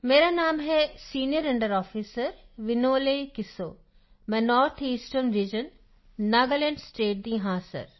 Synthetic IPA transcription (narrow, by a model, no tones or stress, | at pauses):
meːɾanaːmɦesiːnijəɾɪ̃ɳɖəɾɔːfiːsəɾ | ʋɪnoːlekɪso̰ː | mɛ̃nɔːɾt̪ʰiːsʈənɾiːd͡ʑənː | aːɡəlẽːɳɖsʈeːʈ̚d̪ĩːɦaːsə̰ɾ